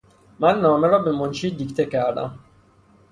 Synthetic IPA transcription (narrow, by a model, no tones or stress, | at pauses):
mænːɒːmeɾɒːbe̞monʃiːd̪iːct̪ʰecʰæɾd̪æ̰m